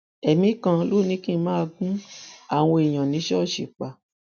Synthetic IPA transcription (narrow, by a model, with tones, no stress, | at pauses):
ɛ˨mĩ˨˦kã˧lo˦˨nĩ˨˦kĩ˦˧˦mãː˦˧ɡũ˦a˦˨w̃ɔ̃˧e˨j̃ã˨nĩ˨˦ʃɔ˦˨ʃi˨k͡pa˨